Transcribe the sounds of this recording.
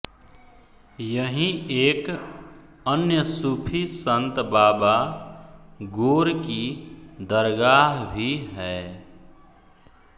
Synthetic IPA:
jəɦĩeːk | ənjəsuːpʰisə̃nt̪baːba | ɡoːɾkid̪əɾɡaːɦbʱiɦɛː

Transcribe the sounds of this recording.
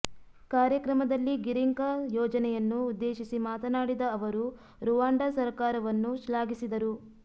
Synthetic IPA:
kaːɾjɐkɾɐmɐd̪ɐlːiɡiɾiŋkɐjɔːd͡ʒɐnɛjɐnːuːd̪ːeːʃisimaːt̪ɐnaːɽid̪ɐːʋɐɾu | ɾuʋaːɳɖɐsɐɾkaːɾɐʋɐnːuʃlaːɡisid̪ɐɾu

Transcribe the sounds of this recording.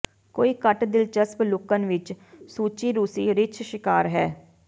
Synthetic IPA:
koːiːkəʈd̪ɪlt͡ʃəsplʊkənʋɪt͡ʃsuːt͡ʃiːɾuːsiːɾɪt͡ʃʰʃɪkaːɾɦɛː

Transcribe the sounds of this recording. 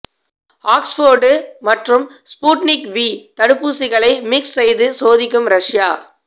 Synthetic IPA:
aːksfoːɾɖɯmɐʈrɯmspuːʈnɪkʋiːt̪ɐɽɯpːuːsɪɣɐɭɐɪmɪksːɛjðɯsoːðɪkːɯmɾɐʂjaː

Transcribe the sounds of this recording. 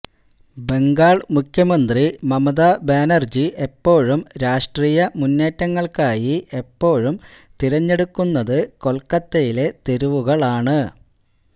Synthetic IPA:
be̞ŋɡaːɭmukʰjɐmɐnd̪rimɐmɐðaːbeːnɐrd͡ʑiʔe̞pːo̞ːɻumɾaːʂʈriːjɐmunːeːtːɐŋːɐɭkaːjie̞pːo̞ːɻum | t̪iɾɐɲːe̞ɽukːunːɐðɨko̞lkːɐt̪ːejile̞t̪eɾuʋuɣɐɭaːɳɨ

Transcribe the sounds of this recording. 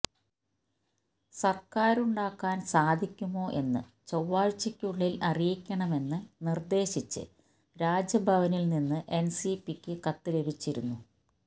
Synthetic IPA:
sɐrkaːɾuɳɖaːkːaːnsaːd̪ʱikʲːumo̞ːʔe̞nːɨ̰ | t͡ɕɐwːaːɻt͡ɕːɐkʲːuɭːilɐrijikʲːɐɳɐme̞nːɨnird̪e̞ːɕit͡ɕːɨ̰ | ɾaːd͡ʑjɐbʱɐʋɐnilninːɨʔe̞nsipikʲːɨkɐt̪ːɨle̞bʱit͡ɕːiɾunːu

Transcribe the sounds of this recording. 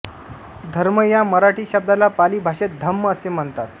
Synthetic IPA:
d̪ʱəɾməjaməɾaʈiːɕəb̚d̪alapaliːbʱaɕet̪̚d̪ʱəmːəəsem̤əɳt̪at̪

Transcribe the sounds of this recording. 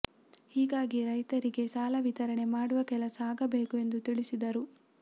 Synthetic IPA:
hiːɡaːɡiɾɐjt̪ɐɾiɡe̞saːlɐʋit̪ɐɾɐɳe̞maːɽuʋɐkɛlɐsaːɡɐbe̞ːkue̞nd̪ut̪iɭisid̪ɐɾu

